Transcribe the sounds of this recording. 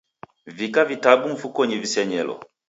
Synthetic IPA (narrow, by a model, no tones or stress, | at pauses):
vikavitabuɱ̩fukɔɲivisɛɲɛlɔ̰